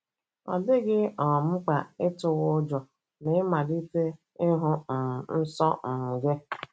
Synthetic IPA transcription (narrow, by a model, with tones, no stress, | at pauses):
ɔ̰˨dɪ˦ɡɪ˦ɔ˨m̩˦k͡pa˨ɪ˦tʊ˨ɣʊ˦d͡ʒɔ˨ | nɪ˨ɪ˦ma˨di˦te˦ | ɪ˦ɦʊ˦m̩˨n̩˦sɔ˦m̩˨m̩˨ɡe˦